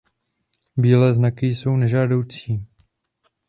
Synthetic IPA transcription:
biːlɛːznakɪjso̞wnɛʒaːdo̞wt͡siː

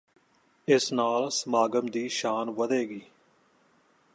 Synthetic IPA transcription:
ɪsnaːlsəmaːɡəmd̪iːʃaːnʋəd̪eːɡiː

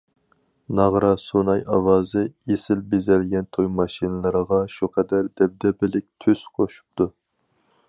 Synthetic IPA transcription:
nɑʁɾɑsonɑjɑwɑːzɨesɪlbezɛlɡʲɛnt̪ʰojmɑʃinɨlˠɨɾəʁɑʃuqʰɛd̪æɾd̪ɛb̚d̪ɛbɪlɪk̚ʲt̪ʰøz̥qʰoʃu̥p̚t̪ʰu

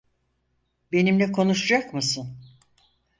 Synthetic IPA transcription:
be̞nimlʲɛkʰo̞nuʃad͡ʒakmɯsɯn

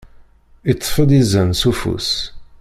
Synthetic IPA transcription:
it̪ˤːfəd̪izənsufṵs

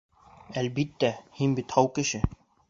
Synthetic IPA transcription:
ælbit̪ːæhinbit̪hɑwkɘ̆ʃɘ

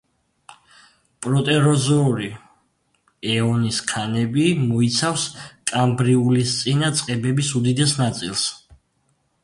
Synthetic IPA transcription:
pʼɾɔt̪ʼɛɾɔzɔɾi | ɛɔniskʰanɛbimɔit̪sʰafskʼambɾiulist̪sʼinat̪sʼqʼɛbɛbisud̪id̪ɛsnat̪sʼḭlˠs

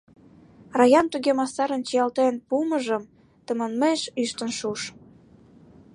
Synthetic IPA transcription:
rɑjɑnt̪yɣemɑsɑɾə̆nt͡ɕijɑlt̪enpuməʒəm | t̪ə̆mənmeʃyʃt̪ənʃuʃ

